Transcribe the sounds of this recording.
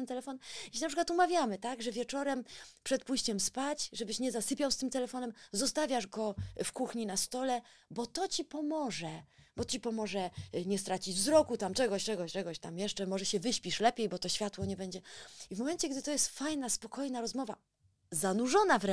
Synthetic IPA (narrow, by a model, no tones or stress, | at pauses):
nt̪ɛlɛfɔnjɛɕ̬inapʂɘkwat̪umavʲjamɘt̪aɡʐɛvʲjɛt͡ʂɔɾɛmpʂɛt̪̚puɕt͡ɕɛmspat͡ɕʐɛbɘɕɲɛzasɘpʲjawst̪ɘmt̪ɛlɛfɔnɛmzɔst̪avʲjaʐɡɔfkuxɲinast̪ɔlɛbɔt̪ɔt͡ɕipɔmɔʐɛbɔt͡ɕipɔmɔʐɛɲɛst̪ɾat͡ɕid͡ʑvzɾɔkut̪amt͡ʂɛɡɔɕt͡ʂɛɡɔɕt͡ʂɛɡɔɕt̪amjɛʂt͡ʂɛmɔʐɛɕɛvɘɕpʲiʂlɛpʲjejbɔt̪ɔɕfʲjat̪wɔɲɛbɛɲd͡ʑɛivmɔmɛnt͡ɕɛɡd̪ɘt̪ɔjɛst̪fajnaspɔkɔjnaɾɔzmɔva | zanuʐɔnavɾ